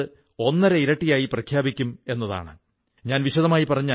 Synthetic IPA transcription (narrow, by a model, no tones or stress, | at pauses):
ɨ | o̞nːɐɾeiɾɐʈːijaːjiprɐkʰjaːbikʲːume̞nːɐða̰ːɳɨ | ɲaːnʋiɕɐðɐmaːjipɐrɐɲːaː